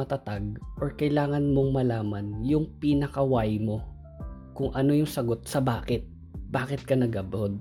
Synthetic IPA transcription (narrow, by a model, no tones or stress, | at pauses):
ɐt̪ɐt̪aɡ̚ʔoɹkɐjlaːŋɐnmo̞ŋmɐlaːmɐnjʊŋpinɐkɐwajmo̞ | kʊŋʔɐno̞jʊŋsɐɡo̞t̪̚sɐbaːkɪt̪̚ | baːkɪt̪̚kɐnɐɡɐbod̪̚